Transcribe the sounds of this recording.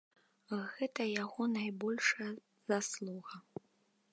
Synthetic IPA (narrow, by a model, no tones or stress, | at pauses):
ɣɛt̪ɐjaɣɔnajbɔlʲʂɐjɐ | z̥aslˠuɣɐ